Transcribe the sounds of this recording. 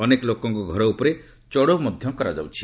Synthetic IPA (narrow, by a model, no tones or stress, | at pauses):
ɔnekɔlokɔŋkuɡʱɔɾɔupɔɾe | t͡ʃɔɽomɔd̪ʱjɔmkɔɾad͡ʒa̰wt͡ʃʰi̥